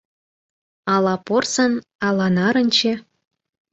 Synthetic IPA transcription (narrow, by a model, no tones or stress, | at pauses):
ɑlˠɑporsɤ̆nɑlˠɑnɑɾɤ̆nʲt͡ɕĕ